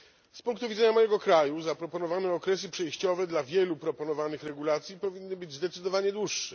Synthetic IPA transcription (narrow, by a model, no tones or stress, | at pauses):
spuŋkt̪uvʲidzɛɲamɔjɛɡɔkɾajuzapɾɔpɔnɔvanɛɔkɾɛs̬ɘpʂɛjɕt͡ɕɔvɛd̪lavʲjɛlupɾɔpɔnɔvanɘxɾɛɡulat̪sʲjipɔvʲinːɘbɘd͡ʑʲzd̪ɛt̪sɘd̪ɔvaɲɛd̪wuʂːɛ